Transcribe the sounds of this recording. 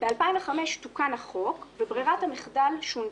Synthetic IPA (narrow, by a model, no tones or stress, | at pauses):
b̥ealpajnveχameʃtukanhaχo̞kvebʁiʁathamiχdalʃun